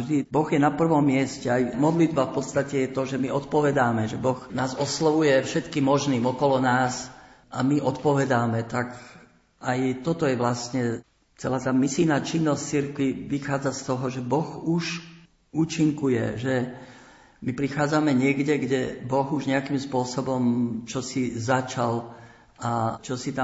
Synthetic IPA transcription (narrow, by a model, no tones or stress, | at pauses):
ʒd̪ibɔɣjɛnapr̩ʋɔmːɪɛscɛajmɔd̪lid̪bafpɔt̪st̪acɛjɛt̪ɔʒɛmiɔt̪pɔʋɛd̪aːmɛʒɛbɔɣnaːzɔslɔʋujɛfʃɛt̪kiːmːɔʒniːmɔkɔlɔnaːs | ʔamiʔɔt̪pɔʋɛd̪aːmɛt̪ak | ajt̪ɔt̪ɔjɛʋlasɲɛ | t͡sɛlaːt̪aːmisinaːt͡ʃinːɔsc̚t͡siɾkʋiʋixaːd͡zast̪ɔɦɔʒɛbɔɣuʃ | uːt͡ʃiŋkujɛ̰ʒɛ | mipɾixaːd͡zamɛɲɪɛɡɟɛɡɟɛbɔɣuʒɲɛakimspʊɔsɔbɔmt͡ʃɔsizat͡ʃal | at͡ʃɔsit̪a